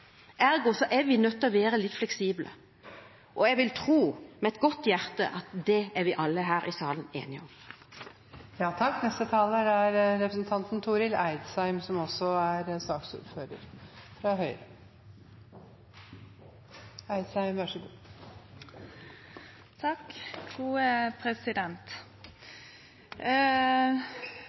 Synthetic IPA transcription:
ʔæɾɡɔsɔʔɛɾʋɪnœt̪ːɔʋeːɾəlɪt̪flɛksiːblə̰ | ʔɔɛɡʋɪlt̪ʰʁuːmɛɛt̪ɡɔt̪ːjæʁt̪ə̰ʔɑt̪d̪ɛæɾʋɪʔɑlːəɦæːɾʔɪsɑːlənḛːnɪɔm | jɑːt̪ʰɑkːnɛst̪ət̪ʰɑːləd̪æɾɾɛpɾəsnt̪ʰɑnt̪nt̪ʰuːɾɪlæɪd̪sæɪmsɔmɔsɔæɾsɑːksṵːɾføːɾə̰ɾfɾɑhœʏɾə | æɪd̪sæɪmʋæʂəɡṵː | t̪ʰɑkɡ̥uːəpʰɾɛsɪd̪ɛnt̪

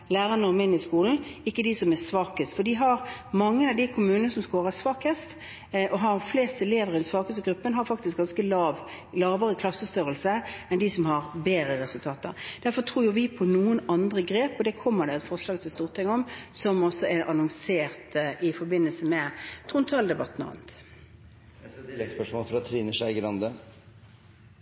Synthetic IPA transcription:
læːʁɑnəɔmɪnːɪskuːln̩ɪkːəd̪ɪsɔmæsʋɑːkəst̪fɔɖ̪ɪɦɑɾmɑŋːənɑd̪ɪkʰʊmʉːnənəsɔmskoːɾəsʋɑːkəst̪ | ʔɔɦɑɾfleːst̪əɛleːʋəɾɪd̪ɛn̩sʋɑːkəst̪əɡɾʉpːənɦɑɾfɑk̚t̪ɪsk̚ɡɑnskəlɑːʋ | lɑːʋəɾəkʰlɑsːəst̪œɾəlsəɛnd̪ɪsɔmhɑɾbeːɾəɾɛsʉlt̪ʰɑːt̪ə̰ɾd̪̥æɾfɔt̪ʰɾuːjʊʋɪpʰɔnuːənɑnd̪ʁəɡɾeːpɔd̪ɛkʰɔmːəɖ̪ɛɛt̪fɔʁʂlɑːɡt̪ʰɪlst̪uːʁt̪ʰɪŋːɔmsɔmɔsːɔɛɾʔɑnɔŋseːʁt̪ɪfɔɾbɪnːəlsəmɛt̪ʰʁʊnt̪ʰɑːld̪ɛbɑt̪ːnɔ̰ɑ̰nt̪ | spœʂmɔːlfɔɾɑt̪ʰːɾiːnəʂæɪɡəlɑnd̪ə

